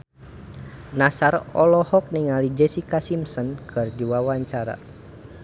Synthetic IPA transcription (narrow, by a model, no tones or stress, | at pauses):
nasarɔlɔhɔk̚niŋalid͡ʒɛsikasimsɔnkʰərd͡ʒuwawaɲt͡ʃaɾa̰